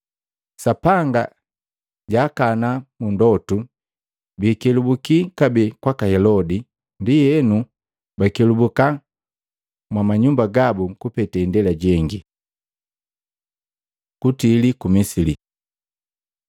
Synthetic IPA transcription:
sapaŋɡa | ɟaːkanamundɔtu | biːkɛlubukikabɛkwakahɛlɔdi | ndijɛnu | bakɛlubuka | mwamaɲumbaɡabuŋkupɛtɛindɛlaɟɛŋɡi | kutilikumisili

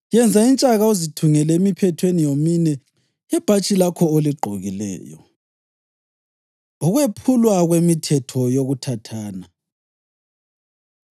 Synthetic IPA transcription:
jɛnd͡zʱaint͡ʃʼaɣauzitʰuŋɛlɛemipʰɛtʰwenijominɛ | ɛb̥ʱat͡ʃʼilakʰɔoliɡ͡ǃʱoɣilɛ̰ːjɔ | uɣwepʰulwaɣwemitʰɛtʰɔjoɣutʰatʰaːna

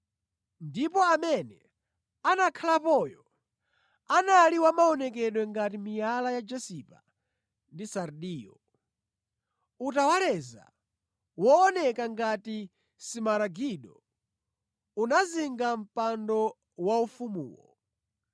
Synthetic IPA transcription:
ndipɔamɛnɛ | anakʰalapɔjɔ | analiwamaɔnɛk̬ɛɗwɛŋɡatimijalajad͡ʒɛsipa̰ | ndisaɾɗiːjɔ̰ | utawalɛza̰ | wɔːnɛkaŋɡati | simaɾaɡiɗɔ | unaziŋɡam̩pandɔ | waufumṵːwɔ̰

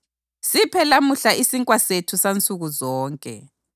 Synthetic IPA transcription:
sipʰɛlamuɬaisiŋkʼwasetʰusant͡sʼuɣuzɔːŋkʼɛ̰

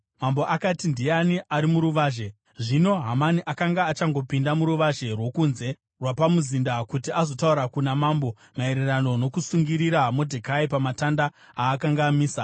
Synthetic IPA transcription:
mambo̞ʔakatindianiʔaɾimuɾuʋaːʒe̞ | ʐino̞ɦamaniʔakaŋɡaːt͡ʃaŋɡo̞pindamuɾuʋaʒe̞rwo̞kunze̞ | rwapamuzindakutiazo̞tauɾakunamaːmbo̞ | mae̞ɾerano̞no̞kusuŋɡiɾiɾamodʱekaipamatanda | aːkaŋɡaːmiːsa

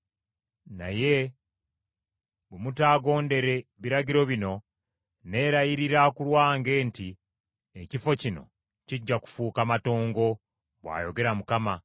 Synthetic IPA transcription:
na̰je̞ | βemutaːɡo̞ːnde̞ɾe̞βiɾaɟiɾo̞βino̞ | ne̞ɾajiɾiɾakulwaːŋɡe̞ːnti | ecifo̞cino̞̰ | ciɟːaku̥fuːkamato̞ːŋɡo̞ | βwa̰ːjo̞ɡe̞ɾamukama

